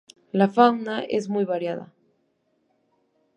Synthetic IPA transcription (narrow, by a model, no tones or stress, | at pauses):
lafaŋnaʔḛzmujβaɾjaða̰